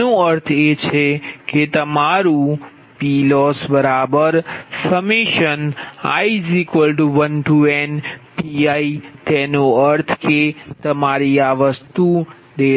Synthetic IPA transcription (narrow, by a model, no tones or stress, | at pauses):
õəɾt̪ʰet͡ʃʰeket̪əmaɾũ | pilɔsbəɾabəɾsəmiʃəna̰izikʋəlʈuʋənʈuɛnpiait̪ɛnoəɾt̪ʰket̪əmaɾiaʋəst̪u | d̪e